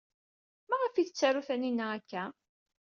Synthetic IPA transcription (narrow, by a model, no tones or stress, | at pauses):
mæʁəfiθət͡sːæɾuθæninːæækːæ